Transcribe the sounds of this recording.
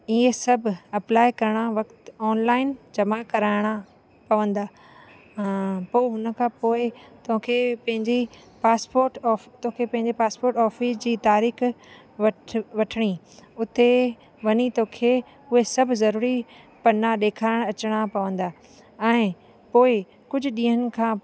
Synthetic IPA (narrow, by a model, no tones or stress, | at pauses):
iesɐbʱɐplaːɪkɐɾəɽ̃aʋɐkt̪ɔːnlaːɪnd͡ʑɐmakɐɾaːɪɽ̃a | pɐʋə̃nd̪aː | poːɦʊnəkʰãːpoːɪt̪ɐɦə̃kʰepɐ̃ɦɪ̃ɲd͡ʑi | paːspoːɾʈɔːft̪õɦkʰepɐ̃ɦɪ̃ɲd͡ʑepaːspoːɾʈɔːfɪsd͡ʑiːt̪aːɾiːx | ʋɐʋɐʈʰəɽ̃i | ʊt̪e | ʋɐɲit̪oːkʰeː | ʊɦesɐbʱzɐɾuːɾi | pɐnaɗeːkʰaːɪɽ̃ɐt͡ɕɽ̃apɐʋə̃nd̪aː | ɛ̃ː | poːɪ | kʊd͡ʑʱʊ̆ɗĩːɦənɪ̆kʰãː